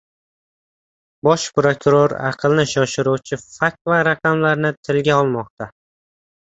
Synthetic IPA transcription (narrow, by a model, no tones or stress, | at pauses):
bɒʃpɾokʊɾoɾɑ̰qʰɨlˠnɪʃɒʃɪɾuwt͡ʃʰɪfak̚tvaɾaqɑmlaɾnɪt̪ʰɪlɡʲaɒlˠmɒq̚t̪ʰa